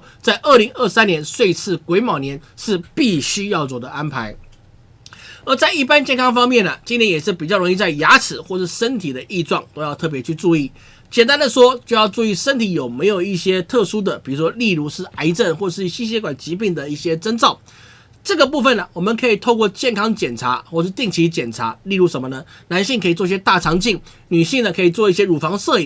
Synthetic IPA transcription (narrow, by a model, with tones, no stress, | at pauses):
t͡sa˥˩ɪʔə˥˩li˧˥ŋə˞˥˩sa˦njɛ˧˥nswe˥˧ɪt͡sʰɹ̩˥˩kwe˧˥ɪmɑ˨˩ʊnjɛ˧˥nʂɻ̩˥˧˨pi˥˩ɕy˥jɑ˥˩ʊt͡swɔ˨˩d̪ə˦ʔa˥npʰa˧˥ɪ | ə˞˧˥t͡sa˥˧ɪi˥˩pa˥nt͡ɕjɛ˥˧nkʰɑ˥ŋfɑ˥ŋmjɛ˥˩nə˩t͡ɕi˥nt̪ʰjɛ˧˥njɛ˨˩ʂɻ̩˥˩pi˨˩t͡ɕjɑ˥˩ʊɻo˧˥ŋi˧t͡sa˥˩ɪja˧˥t͡sʰɻ̩˨˩xwɔ˥˩ʂʂɻ̩˥˩ʂə˥nt̪ʰi˨˩d̪ə˦ʔi˥˧ʈ͡ʂwɑ˥˩ŋt̪o˥ʊjɑ˥˧t̪ʰɤ˥˩p̬jɛ˧˥t͡ɕʰy˥˧ʈ͡ʂu˥˧i˥˩ | t͡ɕjɛ˨˩nt̪a˥nd̪ə˨ʂwɔ˥t͡ɕjo˥˧ʊjɑ˥˧ʊʈ͡ʂu˥˧i˥˩ʂə˥nt̪ʰi˧˥jo˨˩ʊme˧˥ɪjo˨˩ʊi˥˩ɕjɛ˥t̪ʰɤ˥˧ʂu˥d̪ə˨pi˨˩ɻu˧˥ʂwɔ˥li˥˧ɻu˥˧ʂɻ̩˥˩a˧˥ɪʈ͡ʂə˥˩nxwɔ˥˩ə˨˩ʂɻ̩˥˩ɕi˥ɕ̬jɛ˧˥kwa˨˩nt͡ɕi˧˥p̬i˥˩ŋd̪ə˩i˥˩ɕjɛ˥ʈ͡ʂə˥nt͡sɑ˥˩ʊ | ʈ͡ʂɤ˥˩ɡə˩pu˥˧fə˨nə˩wɔ˨˩mə˨˦nkʰɤ˧˥i˨˩t̪ʰo˥˧ʊkwɔ˥˧t͡ɕjɛ˥˩nkʰɑ˥ŋt͡ɕjɛ˨˩nʈ͡ʂʰa̰˧˥xwɔ˥˩ə˧ʂɻ̩˥˧t̪i˥˩ŋt͡ɕʰi˧˥t͡ɕjɛ˨˩nʈ͡ʂʰa̰˧˥li˥˧ɻu˥˩ʂə˧˦nmə˧nə˧na˧˥nɕi˥˩ŋkʰi˨˩t͡swɔ˥˧i˥˩ɕjɛ˥t̪a˥˩ʈ͡ʂʰɑ˧˥ŋt͡ɕi˥˩ŋ | ny˨˩ɕi˥˩ŋə˩kʰɤ˧˥i˨˩t͡swɔ˥˧i˥˩ɕjɛ˥ɻu˨˩fɑ˧˥ŋsɤ˥˧i˨˩ŋ